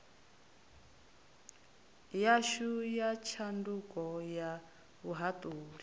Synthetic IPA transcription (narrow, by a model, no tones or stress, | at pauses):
jaʃujat͡ʃʰandukɔja | βuɦatʼuːɾi